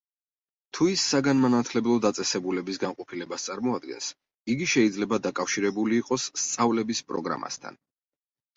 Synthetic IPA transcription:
t̪ʰuisːaɡanmanat̪ʰlɛblˠɔd̪at̪sʼɛsɛbulɛbisɡamqʼɔpʰilɛbast̪sʼaɾmɔad̪ɡɛ̰ns | iɡiʃɛid̪zlɛbad̪akʼafʃiɾɛbuliːqʼɔsːt̪sʼavlɛbispʼɾɔ̰ɡɾa̰ma̰st̪ʰa̰n

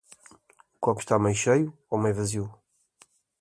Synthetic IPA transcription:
ukɔku̥ʃt̪amɐjʃɐju | omɐjvɐziw

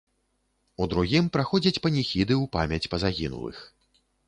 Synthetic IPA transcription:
ud̪ɾuɣʲimpɾaxɔd͡zʲɐt͡sʲpɐnʲixʲid̪ɨupamʲɐt͡sʲpɐzaɣʲinṵlˠɨ̰x

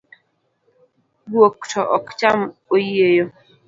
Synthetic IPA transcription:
bwokt͡ʃɔʔɔkt͡ʃamojiejo

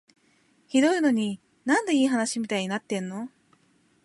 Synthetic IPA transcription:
çid̪o̞ino̞ɲ̟i | nãnd̪e̞iːɦanaɕimʲit̪aiɲ̟inat̪ːẽ̞nːo̞

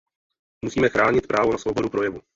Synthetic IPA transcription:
musiːmɛxɾaːɲɪt̪̚pɾʔaːvonasvowbo̞dupɾo̞jɛvu

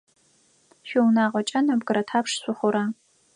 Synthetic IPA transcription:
ʃɪwnaːʁɔt͡ʃʼɐnɐbɡɨɾɐtʰaːpʂɕʷʊχʷʊɾaː

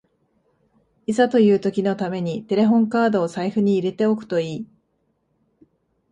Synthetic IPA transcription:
isat̪o̞jɯ̟ːt̪o̞kʲino̞t̪ame̞ɲ̟it̪e̞ɾe̞ɦõ̞ŋkaːd̪o̞ːsaiɸɯ̟ɲ̟iːɾe̞t̪e̞o̞kɯ̟̥t̪o̞iː

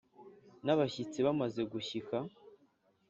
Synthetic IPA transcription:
naβaçit͡siβamaze̞ɡuçika

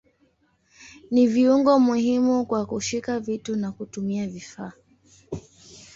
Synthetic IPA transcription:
niviuŋɡɔmuhimukwakuʃikavitunakutumiavifaː

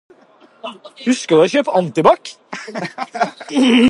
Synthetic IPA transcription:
hʉskəd̪æɪçøːpəɑnt̪ɪbɑk

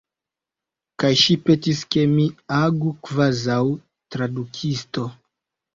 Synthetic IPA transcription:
kajʃipetiske̞miaɡukvazaw | tɾadukʰisto

